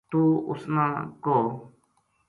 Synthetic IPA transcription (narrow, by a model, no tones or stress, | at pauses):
t̪uːʊ̰snãːkoː